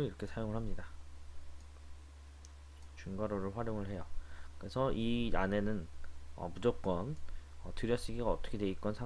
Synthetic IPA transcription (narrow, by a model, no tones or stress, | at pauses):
iɾʌkʰe̞sʰajoŋɯɭhamɲida | t͡ɕunɡaɾoɾɯɭɸwaɾjoŋɯɭhe̞jʌkɯɾe̞sʰʌʔiane̞nɯnʌ̰pud͡ʑok͈ʌnʌtɯɾjʌɕ͈iɡiɡaʌt͈ʌ̥kʰe̞deik͈ʌnsʰa